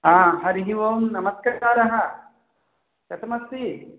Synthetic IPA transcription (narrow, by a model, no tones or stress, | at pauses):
aːɦɐɾiɦiʋoːmnɐmɐskaːɾɐɦɐ | ʃɐt̪ɐmɐsːi